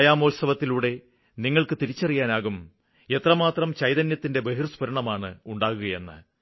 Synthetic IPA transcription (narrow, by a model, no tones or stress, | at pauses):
jaːmolsɐʋɐt̪ːiluːɽe̞ | niŋːɐɭkɨt̪iɾit͡ɕːɐrijaːnaːɣum | e̞t̪rɐmaːt̪rɐmt͡ɕɐjðɐnjɐt̪ːinde̞be̞ɦirspɐɾɐɳɐmaːɳɨuɳɖaːɣuɣɐje̞nːɨ̰